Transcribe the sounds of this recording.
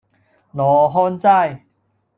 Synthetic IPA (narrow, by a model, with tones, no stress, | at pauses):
nɔː˨ɦɔː˥nt͡sa˥˧˩j